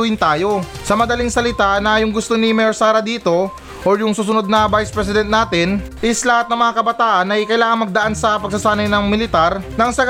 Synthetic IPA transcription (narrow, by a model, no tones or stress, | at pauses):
uhɪnt̪aːjo̞sɐmɐd̪ɐliŋsɐlɪt̪aʔnɐjʊŋɡʊst̪o̞nɪmɛoɹsaːɾɐd̪iːt̪o̞ | ʔoɹjʊŋsuːsʊno̞d̪̚nɐbajspɹɛs̬ɪd̪ɛnt̪̚naːt̪ɪn | ʔɪslɐhat̪nɐŋmɐŋakɐbɐt̪aːʔɐnʔɐjkɐjlaːŋɐŋmɐɡ̚d̪ɐʔansɐpɐɡ̚sɐsaːnɐjnɐŋmɪlɪt̪aɾnɐŋsɐɡ